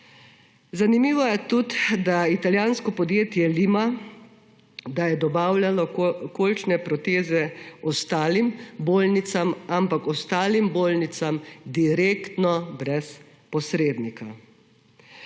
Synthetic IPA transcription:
zanimiːʋɔjɛt̪ut̪d̪ait̪aljaːnskɔpɔd̪jeːt̪jɛlima | d̪ajɛd̪ɔbaːwlalɔkolit͡ʃnɛpɾɔt̪eːzɛɔst̪aːlimboːlnit̪samampakɔst̪aːlimboːlnit̪samd̪iɾeːkt̪nɔbɾɛs | pɔsɾeːd̪nika

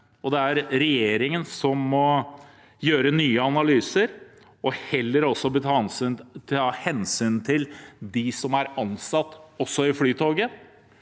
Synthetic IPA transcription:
ɔd̪ɛæɾɾɛjeːɾɪŋənsɔmːɔ | jøːɾənyːəɑnɑlyːsəɾ | ɔhɛlːəɾɔsːɔbət̪ʰɑ | ɑːhɛnsyːnt̪ʰɪld̪ɪsɔmæɾɑnsɑt̪ːɔsːɔɪfɽyːt̪ʰoːɡə

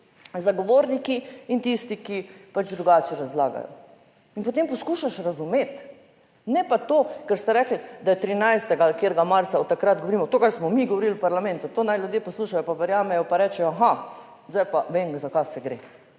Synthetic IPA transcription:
zaɡoʋoːɾnikiint̪ist̪ikipad͡ʒd̪ɾuɡaːt͡ʃɛɾazla̰ːɡa̰jɔ̰ | inpot̪empɔskuːʃaʃɾazumet̪ | nɛpat̪oːkɛɾst̪ɛɾɛkl̩d̪ajɛt̪ɾinajst̪ɛɡalkjeːɾɡamaɾt̪saɔt̪ːakɾad̪dɡoʋoɾiːmɔt̪oːkaɾsmɔmiɡɔʋoɾilpaɾlamɛ̃nt̪ut̪oːnajlʲjud̪jepɔsluːʃajɔpaʋɛɾjaːmɛjɔpaɾɛːt͡ʃɛjɔaxa | zd̪ajpaʋeŋɡzakasɛɡɾḛ

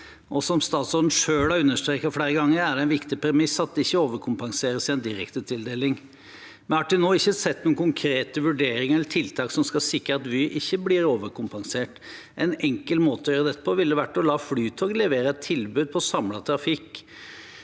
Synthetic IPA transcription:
ʔɔsɔmst̪ɑːt̪sɔɾd̪n̩ʂøːlhɑɾʉnːəʂt̪ɾeːkɑfɽeːɾəɡɑŋːəɾæɖɛɛnʋɪkt̪ɪpʰæɾmɪsɑt̪̚d̪ɛɪçːəoːʋəkʰʊmpɑŋseːɾəsɪɛnd̪ɪɾɛkt̪ət̪ʰɪld̪eːlɪŋ | mɛnhɑʈdʉnoːɪçːəsɛt̪ːnuːənkʰʊŋkʰɾeːt̪əʋʉɖeːɾɪŋəɛlːəʈʰɪlt̪ʰɑːksɔmskɑsɪkːəɾɑt̪ʋɪʔɪçːəblɪɾoːʋəɾkʊmpɑŋseːʈ | ʔɛnɛŋkəlmoːt̪əɔjøɾəd̪ɛt̪ːəpʰɔʋɪld̪ɛʋæʈːɔlɑːflyːt̪ʰoːɡlɛʋeːɾəɛt̪ʰːɪlbʉːd̪̚pʰɔsɑmlɑt̪ʰɾɑfɪkː

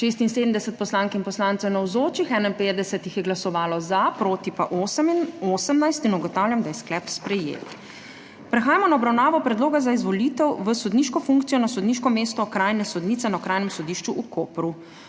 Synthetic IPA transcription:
ʃes̬t̪inseːd̪əmd̪ɛsɛt̪̚pɔslaːŋkinpɔslaːntsɛwnɛwzoːt͡ʃixɛnɛinpet̪̚d̪ɛsɛt̪ixjɛɡlasɔʋaːlɔzapɾoːt̪ipaʔosəminosəmnajst̪inɔɡɔt̪aːwlʲjamd̪ajɛsklɛpspɾɛjḛ | pɾɛxaːjamɔnaɔbɾawnaːʋɔpɾɛd̪loːɡazaizʋɔlit̪ɛwʋəsɔd̪niːʃkɔfuŋkt̪sijɔnasɔd̪niʃkɔmeːst̪ɔkɾaːjnɛsɔd̪niːt̪ɛnaɔkɾaːjnɛmsɔd̪iːʃt͡ʃuʔukoːpɾu

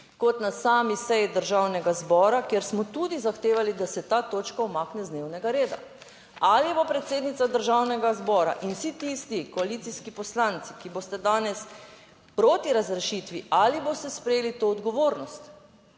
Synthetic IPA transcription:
kɔt̪nasaːmisɛjid̪əɾʒaːwnɛɡazbɔːɾakeɾsmɔt̪ud̪izaxt̪eːʋalid̪asɛt̪aːt̪oːt͡ʃkaɔmaːknɛzd̪newnɛɡaɾeːd̪a̰ | alibopɾɛt̪seːd̪nit̪sad̪əɾʒawnɛɡazbɔːɾa̰ʔinsit̪ist̪ikoalit̪siskipɔslant̪si̥kibost̪ɛd̪aːnɛs | pɾoːt̪iɾazɾɛʃit̪ʋiʔaliboːst̪ɛspɾɛjeːlit̪oːd̪ɡɔʋoːɾnɔst̪

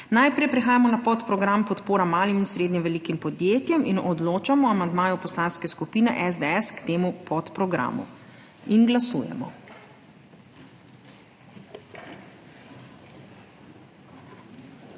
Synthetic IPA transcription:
najpɾɛjpɾɛxaːjamɔnapɔt̪pɾɔɡɾampɔt̪poːɾamaːliminsɾeːd̪ɲɛʋɛlikimpɔd̪jeːt̪jɛminɔd̪loːt͡ʃamɔamand̪maːjɔpɔslaːnskɛskupiːnɛ̰ʔɛzd̪eɛskt̪eːmupɔt̪pɾɔɡɾa̰ːmṵ | inɡlasṵːjɛ̰mɔ̰

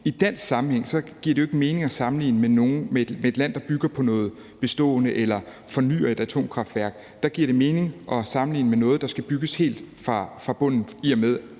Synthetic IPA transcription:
id̥æn̰sɡsɑ̈mm̩heŋ̰sɒ̽ɡ̥iɐɾ̥ejoe̝ɡ̥əme̝ːne̝ŋɒ̽sɑ̈mn̩lḭːnəmeno̝ːn̩memeed̥læn̰d̥ɑ̈b̥yɡ̥ɐpʰɒ̽nɔ̽ːð̞̩ˠ | b̥e̝sd̥ɔ̰̽ːnəʔelɐ | fɒ̽ny̰ːɐe̝d̥æt͡sʰo̝̰ːmkʰʁɑ̈fd̥ʋæɐɡ̥ | d̥ɑ̈ɡ̥iɐ̰ɾ̥e̝me̝ːne̝ŋʔɒ̽sɑ̈mn̩lḭːnəmenɔ̽ːð̞̩ˠd̥ɑ̈sɡ̥æb̥yɡ̥əshe̝̰ːld̥fʁɑfʁɑ̈b̥ɔ̽n̰n̩iɒmeð̞ˠ

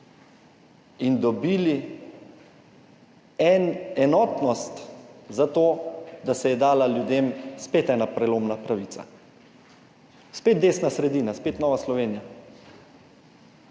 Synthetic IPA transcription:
ind̪ɔbiːli | ɛnɛnɔːt̪nɔst̪zat̪oːd̪asɛjɛd̪aːlaljud̪eːmspeːt̪ɛnapɾɛloːmnapɾaʋiːtsa̰ | speːt̪̚d̪eːsnasɾɛd̪iːnaspeːt̪nɔːʋaslɔʋeːnija

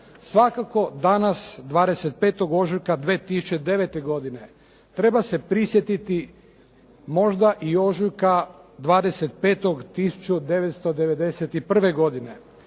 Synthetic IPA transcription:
sʋakako̞d̪anasd̪ʋaːd̪ese̞t̪̚peːt̪o̞ɡo̞ʒujkad̪ʋeːt̪isu̥t͡ʃe̞d̪e̞ʋe̞t̪e̞ɡo̞d̪ine̞ | t̪ɾe̞base̞pɾisjet̪it̪i | mo̞ʒd̪aʔio̞ʒujkad̪ʋaːd̪ese̞t̪̚pe̞ːt̪o̞ɡt̪isu̥t͡ʃud̪e̞ʋet̪st̪od̪e̞ʋe̞d̪e̞set̪ipr̩ʋe̞ɡo̞d̪ine̞

